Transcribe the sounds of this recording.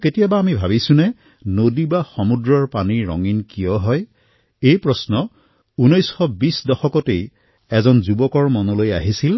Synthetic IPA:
ketijabaːmibʱaβisũnɛ | nodibaxɔmudɹɔɹpaniɹɔ̰ŋinkijɔɦɔj | ejpɹɔsnɔ | unɔjsxɔbisdɔxɔkɔtej | ɛzɔnzubɔkɔɹmɔnɔloja̰ɦisil

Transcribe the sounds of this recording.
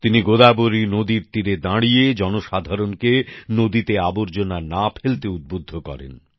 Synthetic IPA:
t̪iniɡod̪aboɾinod̪iɾt̪iɾed̪ãɽijed͡ʑɔnoʃad̪ʱaɾonkenod̪it̪eaboɾd͡ʑonanapʰelt̪eud̪̚bod̪ʱːokɔ̰ɾḛn

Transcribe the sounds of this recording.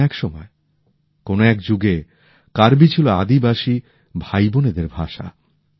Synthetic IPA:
ɛkʃɔmɔe | konoɛkd͡ʑuɡe | kaɾbit͡ɕʰiloa̰d̪ibaʃi | bʱajboned̪eɾbʱaʃa̰

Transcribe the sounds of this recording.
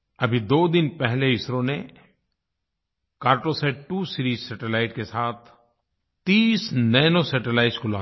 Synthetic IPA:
ɐbʱid̪oːd̪ɪnpɛɦleɪsɾõne | kaːɾʈoseʈuːsɪɾiːzsɛːʈelaːɪʈkesaːt̪ʰ | t̪iːsnɛːnosɛːʈelaːɪʈskʊlaː

